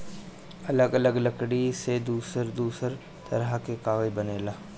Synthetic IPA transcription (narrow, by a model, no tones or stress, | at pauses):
ɐləɡɐləɡləkɽised̪uːsəɾd̪uːsəɾ | t̪ɐ̰ɾakekaːɣəibɐneːlaː